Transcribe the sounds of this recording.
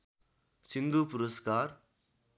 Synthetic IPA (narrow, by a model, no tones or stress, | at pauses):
sind̪uːpʊɾɐskaːɾ